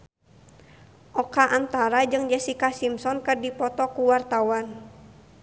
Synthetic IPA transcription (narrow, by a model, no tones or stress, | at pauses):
ʔɔkaʔant̪aɾad͡ʒɨŋd͡ʒɛsikasimsɔnkɨrdipɔt̪ɔkuwart̪awan